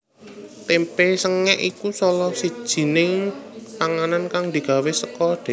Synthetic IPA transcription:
t̪empesəŋɛʔikusɔlɔsid̥ʒ̥i̤nɪŋpaŋanankaŋd̪̥i̤ɡ̥a̤wesəkɔd̥ɛ̤

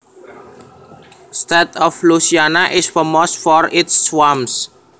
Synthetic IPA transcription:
st̪ɛt̪ɔflusianaʔɪsfɔmosfɔɾɪtsːwams

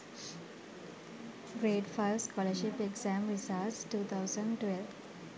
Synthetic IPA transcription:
ɾeːɖfaɪʋskɔləɾʃipeksæ̃mɾisaːʈsʈuːt̪ʰaʊsə̃ɳɖʈʋelʋ

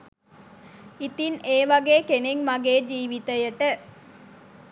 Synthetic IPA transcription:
it̪ineːʋɐɡeːkeneŋmɐɡeːd͡ʒiːʋit̪əjəʈə

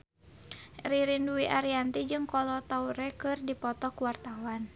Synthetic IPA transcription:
riɾinduiʔaɾiant̪id͡ʒɨŋkɔlɔt̪auɾɛkɨrdipɔt̪ɔkuwart̪awan

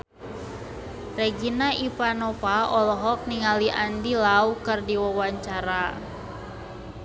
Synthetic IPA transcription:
rɛɡinaʔipanɔpaɔlɔɦɔk̚niŋaliʔandilaukɨrdiwawaɲt͡ʃaɾa

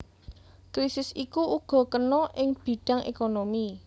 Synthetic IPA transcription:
kɾisɪsikuuɡ̥ɔ̤kənɔʔɪŋb̥i̤ɖ̥a̤ŋʔḛkonomi

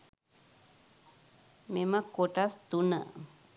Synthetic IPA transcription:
memãkoʈast̪una̰

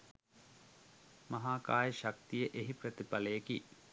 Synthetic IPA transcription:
mɐɦaːkaːjəʃak̚t̪ijəʔeɦiprət̪ipɐlejeki

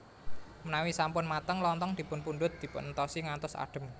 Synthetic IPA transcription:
mənawisampʊnmat̪əŋlɔnt̪ɔŋd̪̥i̤pʊnpunɖ̪ʊt̪̚d̪̥i̤pʊnnt̪ɔsiŋant̪ʊsa̰ɖ̥ə̤m

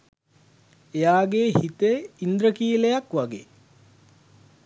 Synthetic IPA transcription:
ejaːɡehit̪eind̪ɾəkiːlejakʋaɡḛː

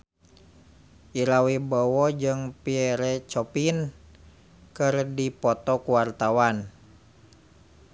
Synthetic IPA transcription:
ʔiɾawibɔwɔd͡ʒɨŋpiɛɾɛt͡ʃɔpin | kɨrdipɔt̪ɔkuwart̪awan

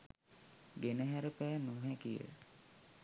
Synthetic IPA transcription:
ɡenəɦæɾəpæːnuɦækijə̰

